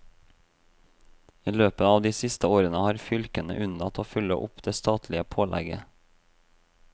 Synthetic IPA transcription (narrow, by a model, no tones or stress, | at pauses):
iːløːpəɑːʋd̪iːsɪst̪əoːɾənəhɑːɾfʏlkənə̰ʔʉnd̪ɑt̪ʰoːfʉlə̰ʔʊpd̪̥eːst̪ɑːt̪ʰlɪəpʰoːlʔæ̰ɡə